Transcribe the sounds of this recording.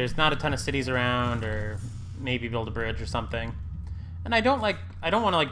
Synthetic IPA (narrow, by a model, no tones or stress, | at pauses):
ə˞znəɾɨtʰʌ̃nʌv̥sɪɾizə˞ãʊ̃ndə˞ | meɪbibɪlˠdəbɹɪd͡ʒə˞sʌ̃mθɪ̃ŋ | ɨ̃naɪdõʊ̃nʔlaɪk | aɪɾõʊ̃n̚ʔwɑñəlaɪk̚